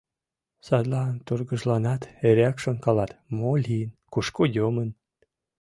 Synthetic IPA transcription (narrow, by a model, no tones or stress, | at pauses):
sɑd̪lɑnt̪urɣəʒlɑnɑt̪eɾækʃonkɑlɑt̪molʲiənkuʃkojomən